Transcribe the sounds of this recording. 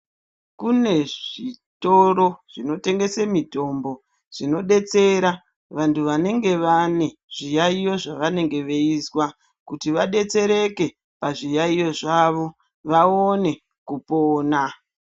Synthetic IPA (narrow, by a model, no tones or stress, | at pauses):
kune̞ʐito̞ɾo̞ʐ̥ino̞te̞ŋɡe̞semito̞mbo̞ | ʐ̥ino̞ɗe̞t͡se̞ɾa | ʋantuʋane̞ŋɡe̞ʋane̞ʐ̥ijaijo̞ʐaʋane̞ŋɡe̞ʋe̞iswa | kutiʋaɗe̞t͡se̞ɾe̞ke̞ | paʐijaijo̞ʐaʋo̞ | ʋaone̞ | kupoːna